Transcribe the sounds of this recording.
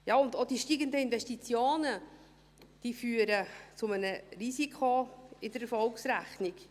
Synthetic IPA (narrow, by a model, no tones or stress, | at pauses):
jɑːʊndod̥iʃtiːɡəndəɪnvɛʃtit͡sjoːnə | d̥iːfyːəɾət͡sʊmənərizikʰoɪd̥əɾɛfɔlksɾæχnɪk